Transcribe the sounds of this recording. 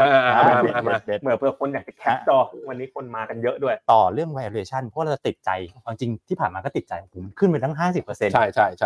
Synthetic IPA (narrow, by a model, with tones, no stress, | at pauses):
ʔaː˧a˧de˦˩mɯ˨˩˦pʰɯ˧kʰo˧njaː˨˩k̚t͡ɕɛ˨˩kʰɛ˦˥t͡ɕɔː˧˩˧wa˧nːiː˦˥kʰo˧nmaː˧ka˧njɤ˦˥ʔdu˥˩əjt̪ɔː˨˩ɾɯ˥˩əŋwa˧ʔa˧lʰu˧eː˧˩t͡ɕʰa˥˩npʰɔ˦˥a˥˧˩t͡ɕa˨˩t̪i˨˩t̪̚t͡ɕa˧jbaː˧ŋt͡ɕi˧ŋt̪ʰiː˥˩pʰaː˨˩nmaː˧kɔː˥˩t̪i˨˩t͡ɕa˧ja˧˩pʰo˩˦mkʰɯ˥˩npa˧t̪ʰa˥˩ɦaː˥˩si˨˩pːɤ˧se˧nt͡ɕʰa˥˩jt͡ɕʰa˦˥˩jt͡ɕʰ